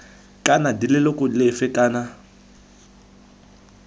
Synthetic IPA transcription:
kʼanadilɪlokʼʊlɪfɪkʼaːna

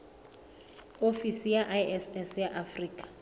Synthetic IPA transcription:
ofisijaʔaɛsɛsjaʔafriːkʼḁ

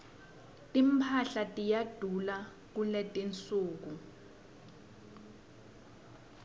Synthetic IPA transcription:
tʼimpʰaɬatʼijad̥ʱula | k̬ulɛtʼint͡sʼuːk̬u

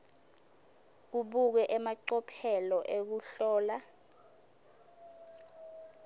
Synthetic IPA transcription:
k̬uɓuk̬ɛʔɛmaǀɔpʰɛlɔʔek̬uɬɔːla

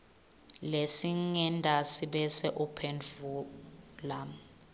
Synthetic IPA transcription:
lesiŋɛndʱasiɓɛsɛʔupʰɛnvuːla

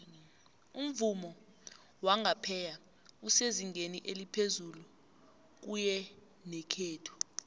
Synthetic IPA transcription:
um̩vumɔ | waŋapʰɛja | useziŋeniʔelipʰezulu | k̬ujɛ | nɛkʰeːtʰu̥

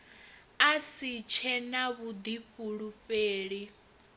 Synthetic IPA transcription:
asit͡ʃʰɛnaβud̪iɸuɺuɸeːɺi

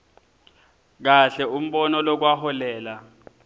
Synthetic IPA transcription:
k̬aɬɛum̩ɓɔnɔlɔk̬wahɔlɛːla

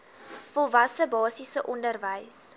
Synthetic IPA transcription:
fɔlˠvɐsəbɑːsisəʔɔndərvəjs

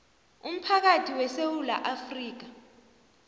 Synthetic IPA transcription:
um̩pʰak̬atʰiwɛsewula̰ʔafriːk̬a

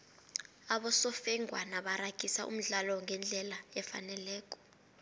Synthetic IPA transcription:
aɓɔsɔfɛŋwa̰naɓaɾakʼisa̰ʔṵm̩ɮalɔŋɡʱɛnd͡ɮʱɛlaɛfa̰nɛlɛːkʼɔ̥

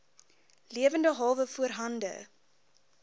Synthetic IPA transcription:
liəvəndəɦɑːvəfuəɾɦɐndə̰

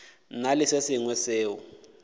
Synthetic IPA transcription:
nalɪsesɪŋwɛseːu

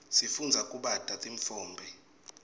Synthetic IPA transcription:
sifund͡zʱakʼuɓatʼat͡sʼiɱfɔːmbʱɛ

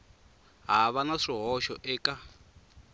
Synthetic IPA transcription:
ɦaβanaʂiɦɔʃɔʔɛːka

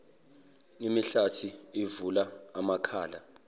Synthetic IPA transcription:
imiɬatʰiivulaːmakʰaːla

